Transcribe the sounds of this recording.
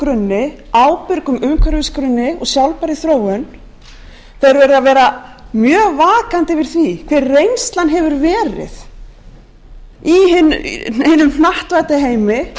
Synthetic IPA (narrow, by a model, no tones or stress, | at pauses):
kɾʏnːɪ | awpɪɾkʏmʏmkʰvœɾvɪskɾʏnːɪɔɣsjawlpaɾɪθɾoːwʏn | θejɾvɛːɾɪðavɛːɾamjœːvaːkant̪ɪvɪɾ̥θvikʰv̥ɛɾːejnst̪lanɦɛvʏɾvɛːɾɪ̰ð | iɪnejnːʏmhnaht̪vajt̪ɪɦeːjmɪ